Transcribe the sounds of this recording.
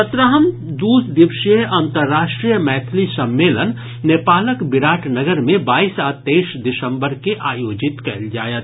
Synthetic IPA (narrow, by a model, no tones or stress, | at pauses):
sət̪ɾaːɦəm | d̪uːsd̪ɪʋʃieʔənt̪əɾːaːʃʈɾijəmɛːt̪ʰlisəmːeːlənː | epaːləkbɪɾaːʈʰnəɡəɾmẽbaːisat̪eːʃd̪ɪsə̃mbəɾkeʔaːjoːd͡ʒɪt̪kɐld͡ʒa̰ːjət̪